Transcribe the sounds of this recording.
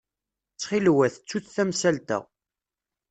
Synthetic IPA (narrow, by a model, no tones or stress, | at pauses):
t͡sːχilwæθt͡sːuθθæmsælt̪æ̰